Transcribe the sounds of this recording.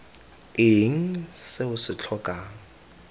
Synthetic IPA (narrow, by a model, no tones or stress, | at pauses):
ɪŋ̩seʊsɪt͡ɬʰɔːkʼaŋ̩